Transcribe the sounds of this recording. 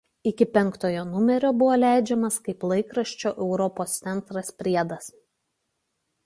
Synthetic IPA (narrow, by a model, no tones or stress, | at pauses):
ɪkʲɪpʲɛŋˑkt̪oːjoːnʊmʲɛɾʲoːbʊʋoːlʲæˑɪd͡ʒʲɛmɐskɐɪplˠɐɪkɾɐʃʲt͡ʃʲoːʔɛʊɾɔpoːst̪ʲɛnt̪ɾɐspʲɾʲiɛd̪ɐs